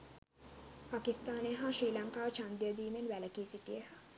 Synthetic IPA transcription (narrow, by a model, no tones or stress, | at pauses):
pakist̪aːneəɦaʃriːlaŋkaːʋət͡ʃand̪ijəd̪iːmenʋæləkiːsiʈijeha